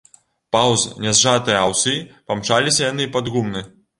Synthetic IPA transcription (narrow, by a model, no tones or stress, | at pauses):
pawznʲɛzʐat̪ɨjɐawsɨipamt͡ʂalʲisʲɐjanɨpad̪ɣumnɨ